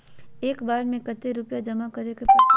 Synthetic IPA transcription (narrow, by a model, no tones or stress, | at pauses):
eːkbaːɾmẽkɐt̪eɾʊpjad͡ʒɐmakɐɾeke